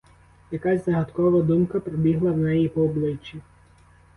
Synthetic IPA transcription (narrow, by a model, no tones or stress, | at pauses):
jɐkazʲzɐɦɐt̪kɔʋɐd̪umkɐpɾɔbʲiɦlˠɐwnɛjipɔːblˠɪt͡ʃʲːi